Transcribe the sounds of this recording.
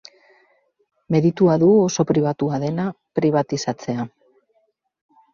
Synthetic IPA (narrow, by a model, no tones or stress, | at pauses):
me̞ðit̪uaðuoso̞pɾiβ̞at̪uaðe̞na | pɾiβ̞at̪isat͡se̞a